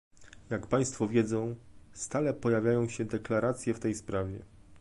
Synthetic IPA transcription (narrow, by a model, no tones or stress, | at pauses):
jakpaj̃st̪fɔvʲjɛd̪zɔ̃w̃st̪alɛpɔjavʲjajɔ̃w̃ɕɛd̪ɛklaɾat̪sʲjɛft̪ɛjspɾavʲjɛ